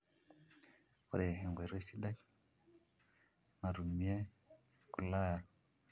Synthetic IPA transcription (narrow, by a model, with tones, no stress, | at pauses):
u˨ɾe˨ɦɛ˨ŋɡwe˨ɾe˦si˦ɗa˦k | na˨ɾu˨mi˦e˦ | ku˨la˦˨ja˨